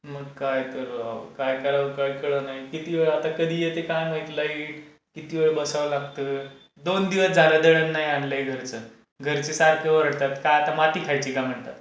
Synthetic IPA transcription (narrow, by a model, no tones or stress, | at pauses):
məɡkajt̪əɾa̰kajkəɾaʋkəɭkeɭənaɦikit̪iʋeɭat̪akəd̪ʱiːjet̪ekãjməjt̪laiʈ | kit̪iʋeɭebəsaʋlaɡ̚t̪ə | d̪ond̪iʋəsd͡zʱaɾad̪əɭənːaɦiaɳleeɡʱəɾt͡sə | ɡʱəɾt͡sesaɾkʰjəʋəɾəɽt̪at̪kajat̪amaʈ̪iːkʰajt͡ɕiːkam̤əɳt̪a̰t̪